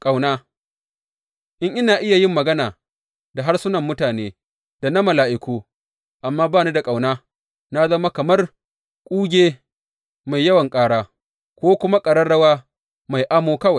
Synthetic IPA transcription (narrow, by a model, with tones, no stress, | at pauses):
kʼa˨wnaː˦ | ʔɪ˦ŋʔɪ˦naː˨ʔɪ˦ja˨jɪ˦mːɐ˨ɡɐ˦naː˨ | da˨ɦa˦rsʊ˦nɐ˨mːʊ˦taː˨neː˦ | d̥a˨nɐ˦ma˨laː˨ʔɪ˨kʷuː˦ | ʔa˨mːaː˦baː˦˨ne˦da˨kʼa˨wnaː˦ | na˦zɐ˦ma˦kɐ˨mɐ˦r | kʷʼuː˦ɡʲeː˦ | ma˨jːɐ˦wɐ˨ŋkʼaː˦ɽaː˦ | kʷoː˦kʷʊ˦ma˦kʼɐ˨ɽɐ˦rɽɐ˦waː˦ | ma˨jʔaː˦moː˦kɐ˦wa˨j